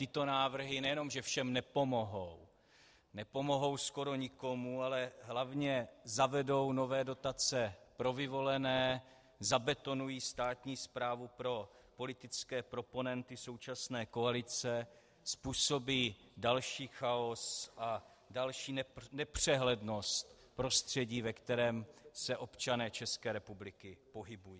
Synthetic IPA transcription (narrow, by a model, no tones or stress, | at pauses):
t̪ɪt̪o̞naːvr̩ɦɪnɛjɛno̞mʒɛfʃɛmnɛpo̞mo̞ɦow | nɛpo̞mo̞ɦo̞wsko̞ɾo̞ɲɪko̞mualɛɦlavɲɛzavɛdo̞wnovɛːdo̞t̪at͡sɛpɾo̞vɪvo̞lɛnɛː | zabɛt̪o̞nujiːst̪aːt̪ɲiːspɾaːvupɾo̞ | po̞lɪt̪ɪt͡skɛːpɾo̞po̞nɛnt̪ɪso̞wt͡ʃasnɛːko̞alɪt͡sɛ | spuːso̞biː | dalʃiːxao̞sʔa | dalʃiːnɛnɛpr̝̥ɛɦlɛdno̞st̪ | pɾo̞st̪r̝̥ɛɟiːvɛkt̪ɛɾɛːmsɛʔo̞pt͡ʃanɛːt͡ʃɛskɛːɾɛpublɪkɪpo̞ɦɪbujiː